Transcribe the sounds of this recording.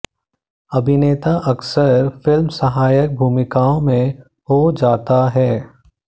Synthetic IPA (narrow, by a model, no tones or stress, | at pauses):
ɐbʱɪneːt̪aʔɐksəɾfɪlmsɐɦaːjək̚bʱuːmɪkaːõmẽ | ɦod͡ʒaːt̪aɦɛː